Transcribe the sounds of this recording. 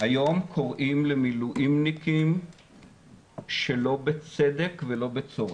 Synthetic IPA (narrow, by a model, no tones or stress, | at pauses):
hajo̞mkʰo̞ʁʔimlemiluʔimnikim | ʃelo̞bet͡sed̪ekvelo̞bet͡so̞ʁe